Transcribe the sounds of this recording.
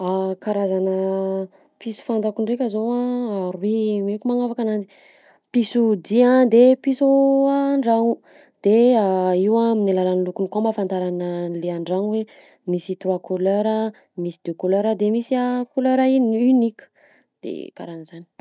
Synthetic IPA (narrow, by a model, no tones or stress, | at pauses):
akaɾazanə | pisu̥fand̪akuɳɖ͡ʐekʲəzoaaɾwimekʲumaŋafakananzi̥ | pisud̪iãd̪episuaɳɖ͡ʐaŋu | d̪̥eaiwaminilalanlukunikomafant̪aɾanəleaɳɖ͡ʐaŋwe | misit̪ɾuakuløɾə | misid̪økuløɾəd̪emisiakuløɾainynikʲu̥ | d̪̥ḛka̰ɾanəzani̥